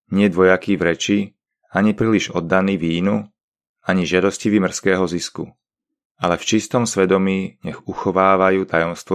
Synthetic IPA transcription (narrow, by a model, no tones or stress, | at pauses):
ɲɪɛd̪ʋɔjakivɾɛt͡ʃi | aɲipɾiliʒɔd̪ːaniːʋiːnu | aɲiʒɪad̪ɔsciʋimr̩skɛːɦɔziskṵ | alɛft͡ʃist̪ɔmsʋɛd̪ɔmiːɲɛɣuxɔʋaːʋajuːt̪ajɔmst̪ʋɔ